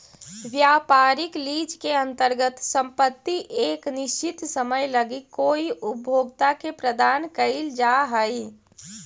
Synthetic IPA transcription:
ʋjaːpaːɾɪkliːd͡ʒkeə̃nt̪əɾɡət̪sə̃mpət̪ːiʔeːknɪʃt͡ʃɪt̪səməjləɡikoːiʔʊbʱjoːɡt̪akepɾəd̪aːnkəɪld͡ʒaɦəi

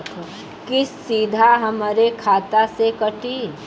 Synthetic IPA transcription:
kɪsːiːd̪ʱaɦɐməɾekʰaːt̪asekɐʈi

